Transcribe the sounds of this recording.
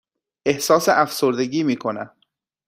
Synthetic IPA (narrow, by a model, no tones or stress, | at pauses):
e̞hsɒːseʔæfsoɾd̪e̞ɟiːmiːkʰo̞næm